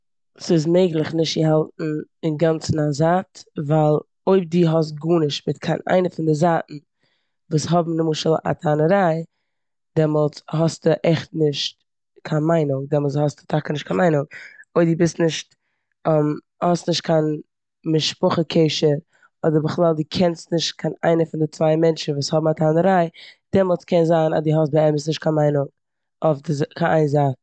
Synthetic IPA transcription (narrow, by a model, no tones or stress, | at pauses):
sɪs̬meɪɡlˠɪχnɪʃtjəɦalˠtn̩ɪnɡant͡sn̩azatvaɪlˠ | oɪb̚diːɦɔs̬t̚ɡuːnɪʃtmɪtkʰaɪna̰ɪnəfɪndɪzaːʔn̩ | vuːsɦɔbm̩nəmuːʃəlˠa̰tʰanəɾaɪ | dɛmɔlˠshɔsdəʔɛχtnɪʃt̚ | kʰanmaɪnʊdɛmɔlˠs̬hɔsdə̥tʰakənɪʃtkʰanmaɪnʊoɪdɪbɪstnɪʃt | ɔm | hɔstnɪʃt̚kʰan | mɪʃpʊχəkʰeɪʃəɾ | ɔdəɾbəχlˠaːlˠdɪkʰɛnstnɪʃt̚kʰana̰ɪnəfʊndɪt͡svaɪmɛnt͡ʃn̩vuːshɔbm̩atʰaːnəɾaɪd̥ɛmɔlˠt͡skɛnzaːna̰diːɦɔsbəɛməs̬nɪʃt̚kʰanmaɪnʊŋ | ɔfdɪzkʰaʔa̰ɪnzat